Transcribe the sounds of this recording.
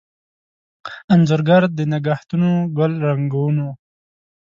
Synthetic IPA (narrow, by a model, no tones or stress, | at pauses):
anzoɾɡaɾd̪ənɪɡaht̪unoɡʊlɾaŋɡawuno